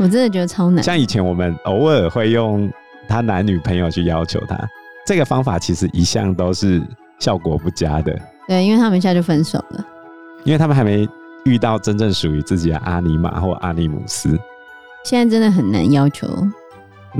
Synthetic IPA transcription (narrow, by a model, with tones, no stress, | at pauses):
wɔ˨˩ʈ͡ʂɻ̩˥d̪ə˨t͡ɕɛ˧˥˧t͡sʰɑ˥ʊna̰˨ɕjɑ˥˨ŋi˨˩t͡ɕʰjɛ˧˦nwɔ˨˩mə˦no˧˦ʊə˥˧˩xwe˥˧ɪjo˥˩ŋ | t̪ʰa˥na˧˦nny˨˩pʰə˧˥ŋjo˨ʊt͡ɕʰy˥˩jɑ˥ʊt͡ɕʰjo̰˧˥ʊt̪ʰa̰˦ʈ͡ʂɤ˥˩ɡə˩fɑ˥ŋfa˨˩t͡ɕʰi˧˥ʂɻ̩˧˦ʔi˧˥ɕjɑ̰˥˨ŋt̪o˥ʊʂɻ̩˥˩ | ɕjɑ˥˩ʊkwɔ˨˦pu˥˩t͡ɕja˦d̪ə̰˨˩ | t̪we˥˩ɪi˥nwɪt̪ʰa˥mə˨i˧ɕja˥˧t͡ɕjo˥˩fə˦˥nso˨˩ʊlə̰˦ | i˥nwɪt̪ʰa˥mə˨xa˧˥ɪme˧˥ɪ | y˥˧t̪ɑ˥˩ʊʈ͡ʂə˦nʈ͡ʂə˥˩ŋʂu˨y˧˥t͡sɹ̩˥˩t͡ɕi˨d̪ə̰˦ʔa̰˥ni˧˥ma̰˨˩xwɔ̰˥˩ʔa̰˥ni˥˩mṵ˨˩s̩˦ | ɕjɛ˥˧na˥ɪʈ͡ʂə˦˥nd̪ə˨˩xə˨˩nna̰˧˦njɑ˥ʊt͡ɕʰjo̰˧˦ʊ